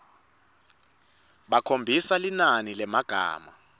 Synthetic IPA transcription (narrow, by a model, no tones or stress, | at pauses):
ɓakʰombʱisalinanilɛmaɡ̥ʱa̰ːma̰